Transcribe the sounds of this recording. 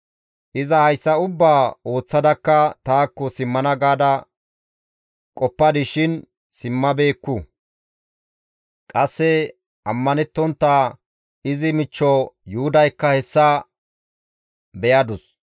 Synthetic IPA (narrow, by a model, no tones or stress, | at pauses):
ʔɪzɐhɐjsːɐʊbːaːo̞ːt͡sːɐd̪ɐkːɐt̪aːkːɔsɪmːɐnɐɡaːd̪ɐ | kʼɔpːɐd̪ɪʃɪn | sɪmːɐbe̞ːkːʊ | kʼɐsːɛ | ɐmːɐnɛt̪ːɔnt̪ːa | ɪzɪmɪt͡ʃːɔjʊhʊd̪ɐjkːɐhɛsːɐ | bɛjɐd̪ʊs